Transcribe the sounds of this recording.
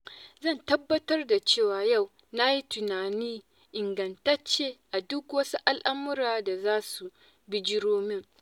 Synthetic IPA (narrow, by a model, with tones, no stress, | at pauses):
zɐ˦˨ntɐ˦bːɐ˦tɐ˦rda˨t͡ʃeː˦˨waː˨ja˦˨w | na˦ji˦tʊ˨naː˨niː˦ | ʔɪ˨ŋɡɐ˨ntɐ˦t͡ʃːeː˦ʔa˨dʊ˦kwɐ˦su˦ʔa˦lʔa˦mʊ˦ɾaː˨da˨zaː˦su˨ | bɪ˦d͡ʒɪ˦ɾoː˦mɪ˦ŋ